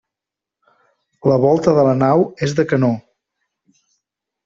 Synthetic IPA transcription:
ləβɔlˠt̪əðələnawezðəkəno

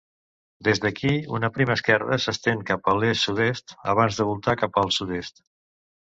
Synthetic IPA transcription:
d̪ezd̪əkʰiunəpɾiməskɛrə̰səst̪eŋkapəlessudest̪ə̰β̞anzðəβulˠt̪akapəlˠsud̪est̪

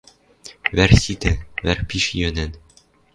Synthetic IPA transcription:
βæɾsit̪ɘβæɾpiʃjønæn

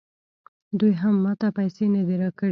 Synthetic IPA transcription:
d̪ujɦamːɑt̪apajsenəd̪eɾɑkəɽ

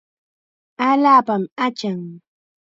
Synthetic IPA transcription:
aʎaːpamat͡ʃaŋ

